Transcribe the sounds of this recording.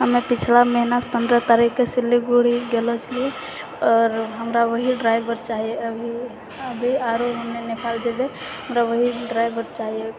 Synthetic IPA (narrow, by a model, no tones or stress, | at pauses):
ɦəmepit͡ʃʰlameɦinaspənd̪ɾət̪aɾikːesilːiɡoɽ̤iɡelot͡ʃʰəlie | ɔːɾɦəmɾaʋəɦiɖɾaɪbəɾt͡ʃaɦijeəbʱi | əbʱiaɾoɦonenikʰald͡ʒebeɦəmɾaʋəɦiɖɾajbəɾt͡ʃaɦije